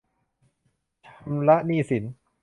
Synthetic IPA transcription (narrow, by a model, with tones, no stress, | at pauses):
t͡ɕʰa˧mla˦˥ʔniː˥˩si˩˦n